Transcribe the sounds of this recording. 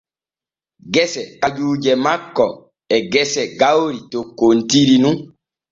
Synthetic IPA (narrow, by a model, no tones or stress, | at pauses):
ɡɛsɛkad͡ʒuːd͡ʒɛmakːɔ | ɛɡɛsɛɡawɾitokontiɾinũ